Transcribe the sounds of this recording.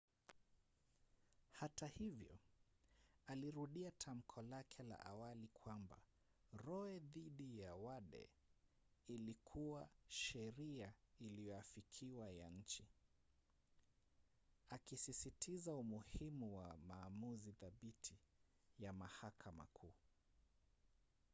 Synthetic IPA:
hatahivjɔ̰ | aliɾuɗiatʰam̩kʰɔlakʰɛla̰ʔa̰walikʰwamba̰ | ɾɔɛðiɗijawaɗɛ̰ | ilikʰuwaʃɛɾiailiɔafikʰiwajaɲ̩t͡ʃi | akisisitʰizaumuhimuwamaːmuziðaɓitʰi | jamahakʰama̰kʰuː

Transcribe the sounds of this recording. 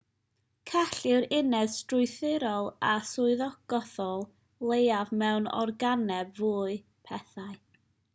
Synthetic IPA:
kʰaɬɪwɾɪnɛð̥strʊɨθɪɾɔlˠasʊɨðɔɡ̥ɔθɔlˠ | lˠejavmɛwnɔ̰rɡanɛbvuːɨ | pʰɛθaɨ

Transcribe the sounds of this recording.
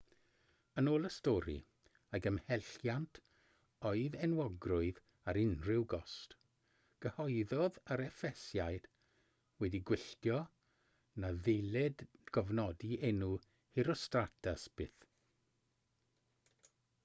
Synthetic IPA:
ənoːlˠəstoːɾḭ | aɡəmhɛɬjantʰ | ɔɨðɛnwɔɡrʊɨð | aɾɪnrɪwɡɔst | ɡ̥əhɔjðɔðəɾɛfɛsjajd̥ | wɛdiɡwɪɬtjɔ | naðelɪdɡ̥ɔvnɔdiʔɛnu | hɪɾɔstratʰasb̥ɪθ

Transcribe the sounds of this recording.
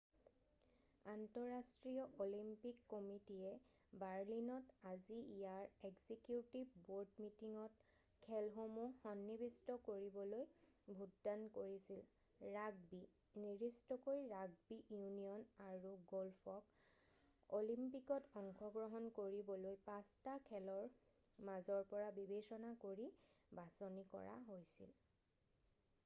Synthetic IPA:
antɔɹastɹijɔʔolimpikːɔmitijɛ | baɹlinɔtaziijaɹɛɡzikjutibboɹdmitiŋɔt | kʰɛlɦomuxɔnːibistɔkoɹibɔlojbʱutdankoɹisil | ɹaɡ̚bi | niɹistɔkoɹiɹaɡ̚biʔjunijɔnaɹuɡɔlpʰɔk | olimpikɔtɔŋxʰɔɡɹɔɦɔnkoɹibɔlojpastakʰɛlɔɹ | mazɔɹpɔɹabibesɔnakoɹibasonikɔ̰ɹa̰ɦojsḭl

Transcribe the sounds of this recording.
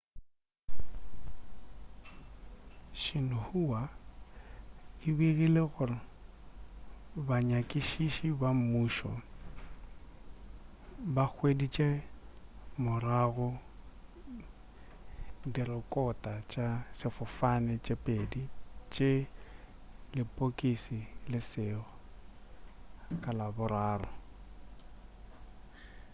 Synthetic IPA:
ʃɪnʊhuwa | ɪbiɣileɣʊrɪ | baɲakʼiʃiʃibamuːʃɔ̰ | bak͡xʰwedit͡ʃʼe | mʊraɣʊ | dirɪkʼɔtʼat͡ʃʼasɪfʊfanɪt͡ʃʼepʼedit͡ʃʼe | lɪpʼokʼisilɪsɪːɣʊ | kʼalabʊɾaːrɔ

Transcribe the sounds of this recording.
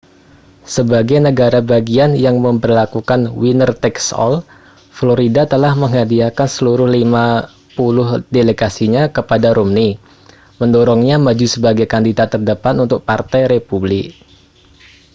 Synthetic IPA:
səbaɡajnəɡaɾabaɡianjaŋməmbərlakukanwinərt̪ɛksɔ̰l | floɾidat̪əlahməŋadiakansəluɾʊhlima | pulʊhdeleɡasiɲakəpadaɾumni | məndɔɾɔŋɲamad͡ʒusəbaɡajkandidat̪ːərdəpat̪unt̪ʊk̚part̪ajɾepublɪk

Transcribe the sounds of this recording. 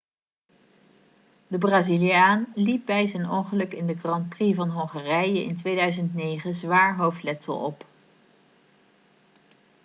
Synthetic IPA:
dəbraːzilijaːnlip̚bɛjzɛnɔŋχəlɵkɪndəɡrɑnprivɑnɦɔŋχarɛjəʔɪ̰ntʋejdœɥzəntnejχəzʋaːɹɦowftlɛtə̰lˠɔ̰p

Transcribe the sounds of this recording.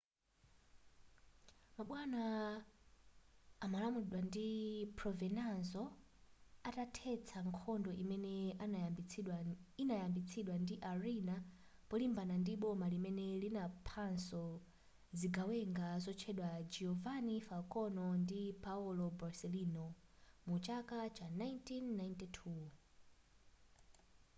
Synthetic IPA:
maɓwana | malamuɗwandipɾɔvɛnazɔ | atatʰɛt͡sʰaŋkʰɔndɔʔimɛnɛawinajambit͡sʰiɗwandiʔaɾinapɔlimbanandiɓɔmalimɛnɛlinapʰansɔ | ziɡawɛŋɡazɔt͡ʃʰɛɗwad͡ʒɛɔvanifalkʼɔnɔndipaɔlɔbasɛlinɔmut͡ʃakʼat͡ʃʰanajntinːajntɛtʰu

